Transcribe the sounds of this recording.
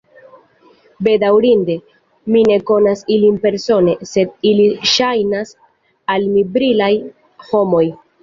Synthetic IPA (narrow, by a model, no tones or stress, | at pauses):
be̞dawɾinde̞ | mine̞ko̞nasilinpe̞ɾso̞ne̞se̞diliʃajnas | almibɾilaj | ho̞mo̞j